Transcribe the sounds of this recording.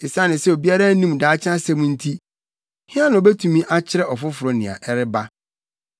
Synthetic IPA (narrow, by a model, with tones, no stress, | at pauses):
ɪ˨sa˦nɪ̃˨sɛ˦o˨bi˦a˦ɾa˦nĩ˦m˨daː˨˦t͡ɕʰɪ˦a˦sɛ̃˦mũ˦n̩˦tʰi˦ | hɪ̃˦a˦nʊ̃˨ɔ˨bɛ˦tʰũ˨mĩ˦ʔa˦t͡ɕʰɪ˦ɾɛ˦ɔ˨fʊ˦fʊ˨ɾɔ˦nɪ̃˨a̰˨ʔɛ˦ɾɪ˦ba˦